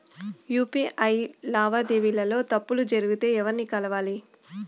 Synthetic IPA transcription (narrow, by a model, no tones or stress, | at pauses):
juːpiːʔɐjlaːʋaːd̪eːʋilɐlo̞ːt̪ɐpːulud͡ʒɐɾuɡut̪e̞ːɛʋɐɾnikɐlɐʋaːli